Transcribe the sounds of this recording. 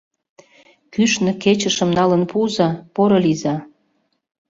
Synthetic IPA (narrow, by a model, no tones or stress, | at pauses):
kyʃnɤ̆ket͡ɕə̆ʃə̆mnɑlənpuzɑpoɾolizɑ